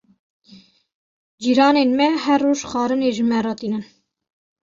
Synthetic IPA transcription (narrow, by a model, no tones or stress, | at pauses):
d͡ʒiːɾɑːneːnmɛhɛrːoːʒχɑːɾəneːʒəmɛɾɑt̪iːnən